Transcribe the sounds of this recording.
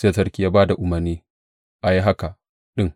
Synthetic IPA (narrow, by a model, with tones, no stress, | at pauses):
se˦a˦tɐ˦ɾkʲi˦jaː˦baː˦da˨ʔʊ˨mɐ˨rniː˦ | ʔa˨ji˦ɦa˦ka˨ | ɗɪ˦ŋ